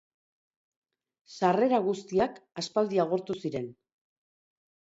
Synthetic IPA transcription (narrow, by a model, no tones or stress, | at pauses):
sare̞ɾaɣust̪iakaspald̪iaɣ̞o̞ɾt̪usiɾe̞n